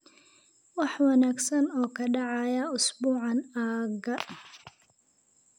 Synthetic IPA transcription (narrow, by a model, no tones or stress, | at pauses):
wɑħwɑnaːɡsɐnɔːkʰɐɖɑʕɑjɐʊsbuːʕɑnaːɡɐ